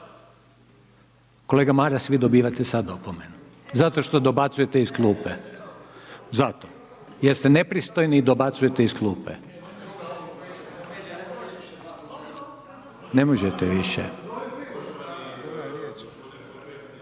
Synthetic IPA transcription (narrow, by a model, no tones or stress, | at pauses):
ko̞leːɡamaɾasʋid̪obiːʋat̪esad̪opomenu | zat̪o̞ʃt̪o̞d̪o̞bat̪suje̞t̪eisklˠuːpe | zat̪o | jest̪enepɾist̪ojnid̪o̞bat̪suje̞t̪eisklˠuːpḛ | nemoʒet̪ɛʋiʃḛ